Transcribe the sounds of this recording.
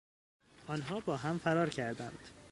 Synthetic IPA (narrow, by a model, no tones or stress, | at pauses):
ʔɒːnɦɒːbɒːɦæmfæɾɒːɾcʰæɾd̪ænd̪̥